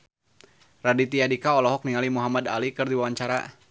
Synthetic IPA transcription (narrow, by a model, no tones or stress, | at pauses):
radit̪iadikaɔlɔɦɔk̚niŋalimuɦamada̰likɨrdiwawaɲt͡ʃaɾa̰